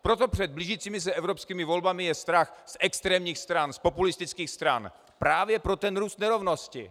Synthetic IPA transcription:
pɾot̪opr̝̥ɛd̪̚bliʒiːt͡siːmɪs̬ɛɛvɾopskiːmɪvolbamɪjɛst̪ɾaxsɛkst̪ɾɛːmɲiːxst̪ɾanspopulɪst̪ɪt͡skiːxst̪ɾa̰n | pɾaːvjɛpɾot̪ɛnɾuːst̪nɛɾovnoscɪ̰

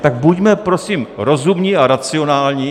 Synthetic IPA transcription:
t̪aɡ̚buɟmɛpɾo̞simɾo̞zumɲiʔaɾat͡sɪo̞naːlɲi

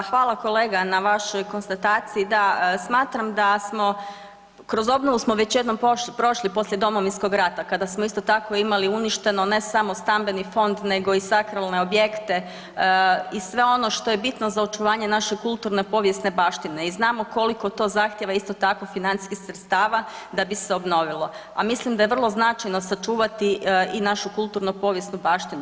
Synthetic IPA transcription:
xʋaːlˠako̞le̞ːɡanaʋaʃo̞jko̞nst̪at̪aːt̪siid̪asmaːt̪ɾamd̪asmo̞ | kɾo̞zo̞bnoʋusmo̞ʋet͡ɕje̞d̪no̞mpɾo̞ʃlipo̞slje̞d̪o̞mo̞ʋinsko̞ɡɾat̪akad̪asmoist̪o̞t̪ako̞imaliuniʃt̪e̞no̞ne̞samo̞st̪ambe̞nifo̞nd̪ne̞ɡo̞isakɾalˠne̞o̞bje̞kt̪e̞ | isʋe̞o̞no̞ʃt̪o̞je̞bit̪no̞zaot͡ʃuʋaːɲe̞naʃekulˠt̪uɾnepo̞ʋjesne̞baːʃt̪ine̞iznaːmo̞ko̞liko̞t̪o̞zaːxt̪jeʋaist̪o̞t̪ako̞finant̪i̥skixsɾet̪st̪aːʋa | d̪abiseo̞bno̞ʋilˠo̞ | amislimd̪aje̞ʋr̩lˠo̞znat͡ʃajnosat͡ʃuːʋat̪iinaʃukulˠt̪uːɾnopo̞ʋje̞snubaːʃt̪inu

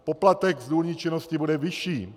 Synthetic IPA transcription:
poplat̪ɛɡzd̪uːlɲit͡ʃɛnoscibudɛviʃiː

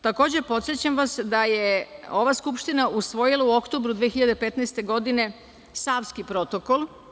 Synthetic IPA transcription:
t̪akoːd͡ʑe̞po̞t̪sjet͡ɕamʋasd̪ajeo̞ʋaskupʃt̪inaʔusʋo̞jilˠauo̞kt̪oːbɾud̪ʋeːxiʎad̪epe̞t̪najst̪e̞ɡo̞d̪ine̞ | saːʋskipɾo̞t̪o̞ko̞lˠ

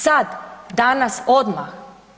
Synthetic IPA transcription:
sad̪d̪anasod̪ma̰x

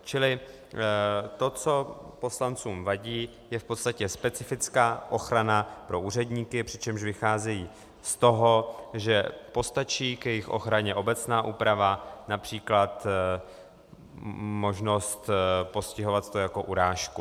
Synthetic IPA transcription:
t͡ʃɪlɪ | t̪o̞t͡so̞po̞slant͡suːmvaɟiː | jɛfpot̪st̪acɛspɛt͡sɪfɪt͡skaːʔo̞xɾanapɾo̞ʔuːr̝ɛdɲiːkɪpr̥ɪt͡ʃɛmʃvɪxaːzɛjiː | st̪o̞ɦo̞ʒɛpo̞st̪at͡ʃiːkjɛjɪxʔo̞̰xɾaɲɛʔo̞bɛt͡snaːʔuːpɾavanapr̥iːklat̪ | mo̞ʒno̞st̪po̞scɪɦo̞vat̪t̪ojako̞ʔuɾaːʃku

